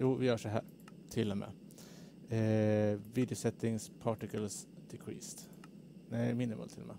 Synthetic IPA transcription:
juːvɪjœːʂɔɦæ̰ːɾ | t̪ʰɪlːɔmʔḛː | ɛviːd̪ɪʊsɛt̪ːɪŋspʰɑːʈɪkəlsd̪̥ɪkʰɾḭːst̪ | næɪmɪnːɪmɑ̰ːt̪ʰɪlːɔ̰mḛ

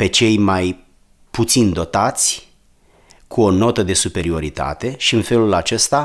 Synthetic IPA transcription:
pe̞t͡ʃe̞jmaj | put̪sind̪o̞t̪at̪sʲ | kʰuo̞no̞t̪əd̪e̞supe̞ɾio̞ɾit̪a̰t̪e̞ʃiɨnfe̞lulat͡ʃe̞st̪a

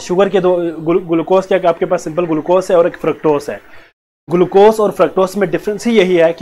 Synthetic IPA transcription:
ʃʊɡəɾked̪oɡʊlɡʊlkoːskakaːp̚kepaːsːɪ̃mpəlɡʊlkoːsɦɛɔːɾeːkfɾɐk̚ʈoːsɦɛ̰ː | ɡʊlkoːsɔːɾfɾək̚ʈoːsmẽɖɪfʰɾə̃nsɦijɐɦiɦɛːk

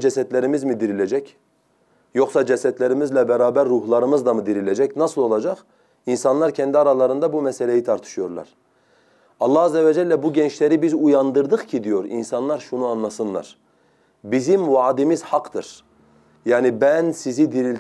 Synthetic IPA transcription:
d͡ʒɛsɛt̪lʲeɾimizmid̪iɾilʲed͡ʒɛc | jo̞χsɑd͡ʒɛsɛt̪lʲeɾimizlʲɛbɛɾaːbæɾːuɦlˠɑɾɯmɯzd̪amɯd̪iɾilʲed͡ʒɛcnɑsɯlˠo̞lˠɑd͡ʒɑq | insɑnlˠɑɾcʰɛnd̪iaɾalˠaɾɯnd̪abumɛselʲejit̪ʰaɾt̪ʰɯ̥ʃɯjo̞ɾlˠa̰ɾ̥ | ɑlˠːɑɦɑzːɛvɛd͡ʒɛlʲːɛbuɟɛnt͡ʃlʲeɾibizujɑnd̪ɯɾd̪ɯχcʰid̪ijo̞ɾḭnsɑnlˠaɾʃunuanlˠasɯnlˠa̰ɾ̥ | bizimvaːd̪imiz̥hɑqd̪ɯ̰ɾ̥ | jaːnibænsizid̪iɾilʲ

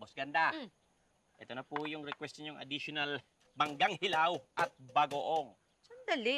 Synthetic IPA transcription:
bosɡɐnd̪a | ʔɛt̪onɐpujʊŋɾɛkwɛst̪oɲʊŋʔɐ̰d̪iʃonal | bɐŋɡaŋhɪlawʔɐt̪̚bɐɡoʔoŋ | sɐnd̪ɐli

